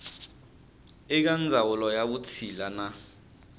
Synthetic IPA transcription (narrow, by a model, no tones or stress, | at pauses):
ɪk̬and͡zʱawulɔjaɓut͡sʰilana